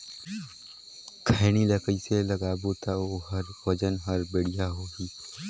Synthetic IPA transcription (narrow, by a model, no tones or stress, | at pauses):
kʰaɪñiləkəiselɐɡaːbut̪aoɦəɾbɐd͡ʒənɦəɾbɪɽijaɦoːɡiː